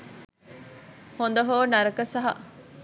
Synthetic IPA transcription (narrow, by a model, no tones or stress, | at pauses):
hond̪oɦoːnɐɾɐkɐsɐɦɐ̰